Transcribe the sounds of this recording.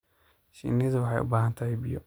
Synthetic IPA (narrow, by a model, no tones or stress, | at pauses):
ʃḭniːðwɑħɑjʔʊ̰baːɦɐnt̪ʰɐhɛjbɪjɔ̰